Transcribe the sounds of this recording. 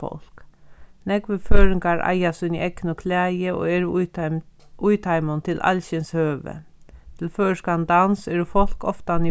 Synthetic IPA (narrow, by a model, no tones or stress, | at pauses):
ɔ̰l̥knɛkʋəføːɹɪŋkaɹʔa̰jasʏnḭʔɛknʊkʰlæːjəo̰ːɛːɹ | ujt̪ʰajmʊnt̪ʰɪlʔa̰lɕɪnshøːʋə̰ | t̪ʰɪlføːʂkand̪ansɛːɹʊfɔl̥kɔft̪ani